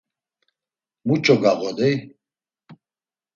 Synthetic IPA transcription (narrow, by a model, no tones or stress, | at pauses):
mut͡ʃʼɔɡaɣɔd̪ɛj